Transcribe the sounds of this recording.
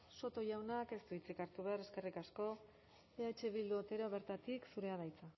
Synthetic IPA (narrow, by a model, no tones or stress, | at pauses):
so̞t̪o̞ʝawnake̞st̪uit͡sikaɾt̪uβeaɾe̞ske̞rikasko̞ | eat͡ʃe̞βild̪uot̪e̞ɾoβ̞e̞ɾt̪at̪iksuɾe̞aðajt͡sa